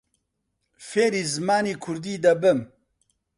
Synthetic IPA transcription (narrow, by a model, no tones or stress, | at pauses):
feːɾiːzɨmaːniːkʰʊɾd̪iːd̪ɐbɨm